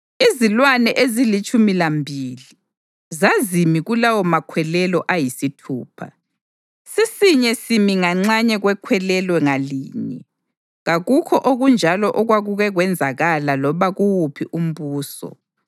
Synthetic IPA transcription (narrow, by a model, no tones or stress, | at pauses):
izilwanɛʔezilit͡ʃʼumilambʱili | zazimiɣulawɔmakʰwɛlɛlɔʔajisitʰṵːpʰa̰ | sisiɲɛsimiŋaŋ͡ǀaɲɛɣwɛkʰwɛlɛlwɛŋalḭːɲɛ | ɣaɣukʰɔʔoɣund͡ʒʱalɔʔɔɣwaɣuɣɛɣwɛnd͡zʱaɣalalɔβaɣuwupʰiʔum̩βuːsɔ̰